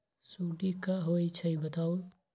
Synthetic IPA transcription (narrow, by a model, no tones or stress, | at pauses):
suːʈikaɦoːit͡ʃʰɐibət̪aːo